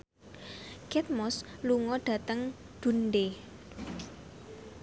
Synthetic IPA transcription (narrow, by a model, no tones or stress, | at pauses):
kɛt̪̚mɔsluŋɔɖ̥ä̤t̪əŋ | d̪̥ṳnɖe